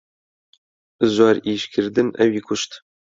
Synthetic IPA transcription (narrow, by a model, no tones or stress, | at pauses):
ɨzʷɑːɾiːʃkʲʰɪɾd̪ɨnʔɛwiːkʰʊʃt̪